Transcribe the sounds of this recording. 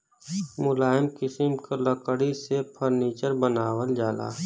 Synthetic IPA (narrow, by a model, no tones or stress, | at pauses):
mʊlaːɪmkɪsɪmkaləkəɽisepʰəɾniːt͡ʃəɾbənaːwəld͡ʒaːla̰ː